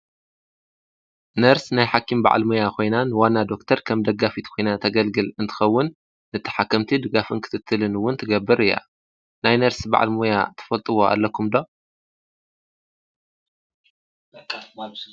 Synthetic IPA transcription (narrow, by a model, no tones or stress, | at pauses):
nɐɾsnajħakʰːimba̰ʕa̰lmojakʰo̞jnanɨwanːad̪o̞k̚t̪ʰɐɾkʰɐmd̪ɐɡːafit̪kʰo̞jnat̪ʰɐɡɐlɡɨlɨnt̪ʰɨ̥xɐwːʊnː | ɨt̪ʰːɐ̥ħakʰːɐmt̪ʰid̪ɨɡafɨnkʰɨ̥t̪ʰɨt̪ʰːɨlɨnwʊnt̪ʰɨɡɐbːɨɾɨjːa̰ | najnɐɾsba̰ʕa̰lmoja̰t̪ʰɐ̥fɐlt̪ʼɨwo̞a̰lːɐkʰumd̪o